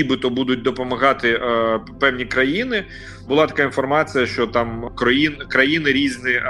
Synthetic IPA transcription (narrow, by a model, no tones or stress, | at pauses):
ibɨt̪ɔbud̪ʊtʲd̪ɔpɔmɐɣɑt̪ɪpɛwnʲikɾɐjinɪ | bʊlˠɑt̪ɐ̥kainfɔrmɑt͡sʲijɐʃt͡ʃɔt̪ɑmkɾɔjinkɾɐjinɪɾʲiznɪ